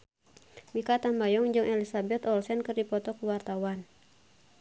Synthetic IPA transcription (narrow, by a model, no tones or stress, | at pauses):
mikat̪ambajɔŋd͡ʒɨŋʔɛlisabɛt̪ɔlsɛnkɨrdipɔt̪ɔkəwart̪awan